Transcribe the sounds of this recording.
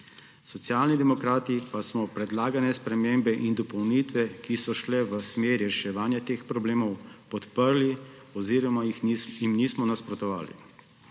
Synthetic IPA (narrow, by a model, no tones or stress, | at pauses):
sɔt̪sjaːlnid̪ɛmɔkɾaːt̪ipasmɔpɾɛd̪laːɡanɛspɾɛmeːmbɛʔind̪ɔpɔwnit̪ʋɛkisɔʃlɛʋəsmeːɾiɾɛʃɛʋaːnjat̪eːxpɾɔbleːmɔwpɔt̪pəɾli | ɔziːɾɔmaxjimnismɔnaspɾɔt̪ɔʋa̰ːlḭ